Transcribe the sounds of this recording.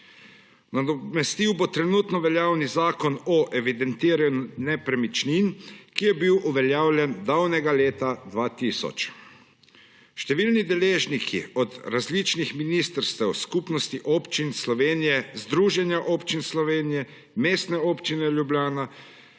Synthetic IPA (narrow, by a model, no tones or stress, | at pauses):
nad̪ɔmɛst̪iwbot̪ɾɛnuːt̪nɔʋɛljaːwnizaːkɔnɔʔɛʋid̪ɛnt̪iːɾɛnɛpɾɛmit͡ʃninkijɛbiwʔuʋɛljaːwlʲjɛnd̪awnɛɡaleːt̪ad̪ʋaːt̪isɔ̰t͡ʃ | ʃt̪ɛʋiːlnid̪ɛleːʒnikʰḭɔd̪ɾazlit͡ʃnixminiːst̪əɾst̪ɛwskupnɔst̪iʔoːpt͡ʃinslɔʋeːnijɛzd̪ɾuːʒɛnjaʔoːpt͡ʃinslɔʋeːnijɛ | meːst̪nɛoːpt͡ʃinɛljublʲjaːna